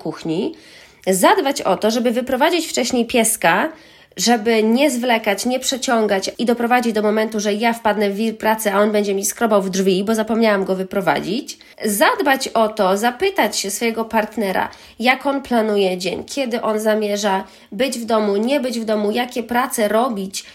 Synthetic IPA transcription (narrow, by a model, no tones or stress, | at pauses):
kuxɲi | zad̪bat͡ɕɔt̪ɔʐɛbɘvɘpɾɔvad͡ʑit͡ɕft͡ʂɛɕɲejpʲjɛska | ʐɛbɘɲɛzvlɛkat͡ɕɲɛpʂɛt͡ɕɔŋɡat͡ɕid̪ɔpɾɔvad͡ʑid͡ʑd̪ɔmɔmɛnt̪uʐɛjafpad̪nɛvʲiɾpɾat̪sɛaɔnbɛɲd͡ʑɛmʲiskɾɔbawvdʐvʲibɔzapɔmɲawamɡɔvɘpɾɔva̰d͡ʑit͡ɕ | zad̪bat͡ɕɔt̪ɔzapɘt̪at͡ɕɕɛsfɔjɛɡɔpaɾt̪nɛɾa̰ | jakɔnplanujɛd͡ʑɛɲkʲʰjɛd̪ɘʔɔnzamʲjɛʐa | bɘd͡ʑvd̪ɔmuɲɛbɘd͡ʑvd̪ɔmujakʲɛpɾat̪sɛɾɔbʲit͡ɕ